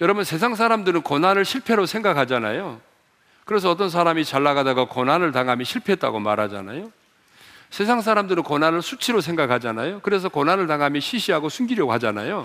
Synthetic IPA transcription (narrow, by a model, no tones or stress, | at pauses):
jʌɾʌbunsʰe̞sʰaŋs̬ʰaɾamdɯɾɯnkonanɯɭɕʰiɭpʰe̞ɾosʰe̞ŋɡakʰad͡ʑana̰jo | kɯɾe̞s̬ʰʌʌt̬͈ʌns̬ʰaɾamit͡ɕaɭːaɡadaɡakonanɯɭtaŋɦamjiɕʰiɭpʰeɦt͈a̰ɡomaɾɦad͡ʑa̰na̰jo | sʰe̞s̬ʰaŋsʰaɾamdɯɾɯnkonanɯɭsʰut͡ɕʰiɾos̬ʰeŋɡakʰad͡ʑanajokɯɾe̞s̬ʰʌkonɦanɯɭtaŋɦamjiɕʰiɕʰiɦaɡosʰunɡiɾjʌɡoɦad͡ʑana̰jo